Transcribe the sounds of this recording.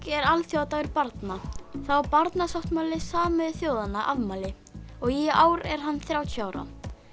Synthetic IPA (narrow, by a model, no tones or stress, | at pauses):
kɛɾalθjawt̪avɪɾpaɾt̪naθawpaɾt̪nasaht̪malɪsaːmɛðθjoːwðanaʔavmaːlɪ | ɔɣɛaːwɾɛɾ̥ɦanːθɾjawt̪ʰjaːwɾa̰